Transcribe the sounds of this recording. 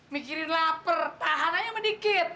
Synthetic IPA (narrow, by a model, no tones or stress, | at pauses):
mikiɾɪnlapərt̪aɦanaɲamədikɪt̪̚